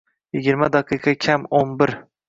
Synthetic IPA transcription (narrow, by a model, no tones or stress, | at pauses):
jɪɡʲɪɾmad̪ɑqʰɨqʰɑkʲʰamonbɪɾ